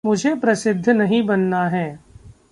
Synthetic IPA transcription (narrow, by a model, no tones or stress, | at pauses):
mʊd͡ʒʱepɾɐsɪd̪ʱːnɐɦĩbɐnːaɦɛː